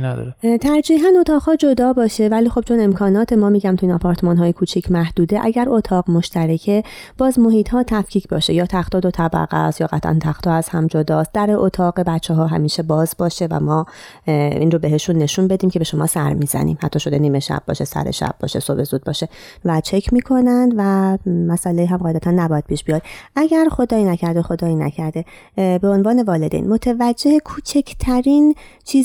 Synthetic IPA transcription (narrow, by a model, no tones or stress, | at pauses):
næd̪̰t̪ʰæɾd͡ʒiːɦænot̪ʰɒːɣhɒːd͡ʒo̞d̪ɒːbɒːʃe̞væliːxo̞b̥̚t͡ʃʰo̞ne̞mkʰɒːnɒːt̪ʰemɒːmiːɟæmt̪ʰuinɒpʰɒːɾt̪ʰe̞mɒːnɦɒːjekʰuːt͡ʃʰiːcʰmæhd̪uːd̪eʔæɟæɾo̞t̪ʰɒːʁmo̞ʃt̪ʰæɾecʰe̞b̥ɒːzmo̞ɦiːt̪hɒːt̪ʰæfcʰiːcʰbɒːʃejɒːt̪ʰæχt̪ɒːd̪ot̪ʰæbæ̰ɣæ̰sjɒːɣæ̰t̪ʰʔæ̰nt̪ʰæxt̪ʰɒːæz̥hæmd͡ʒod̪ɒːst̪̚d̪̥æɾeʔot̪ʰɒːɣe̞bæt͡ʃʰːeɦɒːɦæ̰miːʃe̞bɒːzbɒːʃe̞væ̰mɒː | ḭːnrobe̞ɦe̞ʃunːe̞ʃunbe̞d̪iːmcʲʰe̞beʃo̞mɒ̰ːsæɾmiːzæ̰nḭːmhæt̪ʰːɒːʃo̞d̪eniːme̞ʃæ̰b̥̚bːɒ̰ːʃe̞sæ̰ɾe̞̰ʃæ̰b̥̚bɒ̰ːʃe̞sobe̞zuːd̪̚bɒ̰ːʃe̞ | væt͡ʃʰe̞cʰmiːkʰo̞nænd̪væmæsʔæleiːɦæmɢɒːjd̪æt̪ænːæbɒːjæd̪̚pʰiːʃb̥ijɒːd̪̥ʔæɟæɾxo̞d̪ɒːinæcʰæɾd̪exo̞d̪ɒːiːnæ̰cʰæɾd̪e̞ | be̞o̞nvɒːne̞vɒːle̞d̪ḛjnmot̪ʰevæd͡ʒːehekʰuːt͡ʃʰecʰt̪ʰæɾiːnt͡ʃʰiː